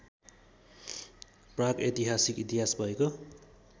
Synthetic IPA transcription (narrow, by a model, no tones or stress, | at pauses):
praket̪iɦasikit̪iɦasbʱʌeko